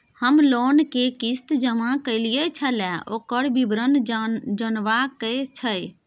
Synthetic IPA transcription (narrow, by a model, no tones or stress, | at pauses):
həmloːnkekist̪d͡ʒəmãkəɪlijət͡ʃʰəlɛoːkəɽbibɾənd͡ʒənʋakət͡ʃʰəj